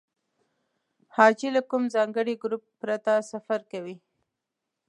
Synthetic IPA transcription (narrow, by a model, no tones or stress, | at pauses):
hɑd͡ʒilakumzɑŋɡəɽiɡɾupːɾat̪asafaɾkawi